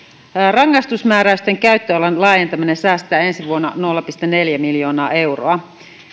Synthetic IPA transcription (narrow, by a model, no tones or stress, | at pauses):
rɑŋːɑst̪usmæːɾæyst̪eŋkæyt̪ːølɑnlɑːjent̪ɑminensæːst̪æːe̞nsiʋuonːɑ̰no̞lːɑpist̪ene̞ljæmiljo̞ːnɑːʔe̞uroɑ